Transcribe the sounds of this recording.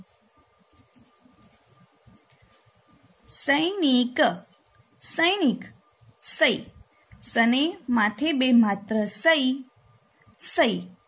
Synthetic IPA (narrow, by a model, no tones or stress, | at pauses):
səjnik | səjnik | səj | sənemat̪ʰebemat̪ɾəsəj | səj